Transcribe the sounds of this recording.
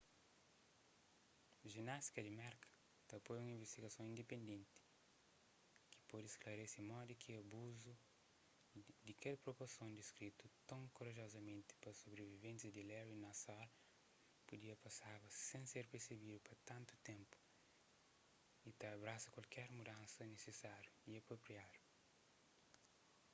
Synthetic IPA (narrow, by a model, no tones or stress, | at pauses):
ʒinast̪i̥kɐd̪imɛɾkɐ̥ | t̪ɐpojũĩvest̪iɡɐsõĩnd̪epẽnd̪ẽnt̪i̥ | ki̥pod̪esklɐɾesimɔd̪ikʰiɐbuzu | d̪ikɛlpɾopoɾsõnd̪iskɾit̪ut̪ɐ̃w̃kuɾɐʒɔzɐmẽnt̪i̥pɐsobɾevivẽnsɐd̪ilɛwinasal | pud̪iɐpɐsabɐsẽseɾpeɾseβid̪upɐt̪ãnt̪u̥t̪ẽmpu̥ | it̪aɐbɾasɐkwɐlkɛɾmud̪ãnsɐnesesaɾjuiɐpɾopɾiad̪u